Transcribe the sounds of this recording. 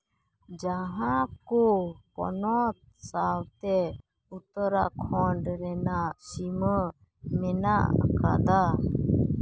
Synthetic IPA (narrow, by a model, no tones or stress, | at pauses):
d͡ʒaɦãkupɔ̰nɔt̪̚sawt̪ɛ | ut̪əɾa̰ʔkʰɔɳɖɾɛnaʔsimə | mɛnaʔkad̪a